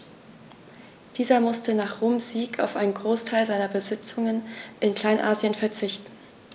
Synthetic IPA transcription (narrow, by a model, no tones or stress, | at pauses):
d̥iːzɐmʊstənaːχʁ̥oːmz̥iːkʰa̰ʊfʔaɪnənɡʁoːstʰaɪlzaɪnɐbəzɪt͡sʊŋənʔɪnkl̥aɪnʔaːziənfɛɐt͡sɪçtn̩